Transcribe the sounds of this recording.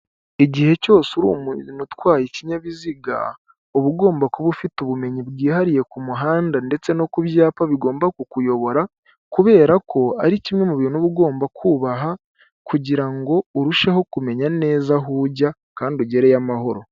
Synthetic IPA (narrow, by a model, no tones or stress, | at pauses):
iɟihe̞co̞ːsuɾṵmunutwaːjiciɲaβiziɡa̰ | uβuɡo̞ːmbakuβufituβume̞ɲibɡiːhaɾije̞kumuɦaːndande̞t͡se̞no̞kuβjaːpaβiɡo̞ːmbakukujo̞βo̞ɾa | kuβe̞ːɾakʰo̞aɾicimŋemuβiɾinuβuɡo̞ːmbakʰuːβaɦa | kuɟiɾaŋɡo̞uɾuʃeho̞kume̞ɲane̞ːzaɦuɟa | kaːndioɟe̞ɾejamaho̞ɾo̞